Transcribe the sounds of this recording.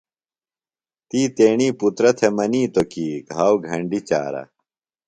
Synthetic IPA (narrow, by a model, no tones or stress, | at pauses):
t̪iːt̪eːɳiːput̪ɾɐt̪ʰemɐniːt̪okiːɡʱaːwɡʱɐɳɖit͡ɕa̰ːɾɐ̰